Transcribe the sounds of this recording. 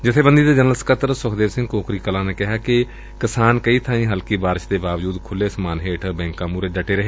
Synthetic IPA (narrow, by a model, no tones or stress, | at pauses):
d͡ʒɪt̪ʰːeːbənd̪iːd̪eːd͡ʒənəlskət̪ɾsʊkʰd̪eːʋsɪ̃ŋɡkoːkɾiːkəlãːneːkɪɦaːkɪ | kɪsaːnkəiːt̪ʰãːĩːɦəlkiːbaːɾɪʃd̪eːbaːʋd͡ʒuːd̪kʰʊleːsmaːnɦeːʈʰbɛ̃ːŋkãːmuːɾeːd͡ʒəʈeːɾəɦeː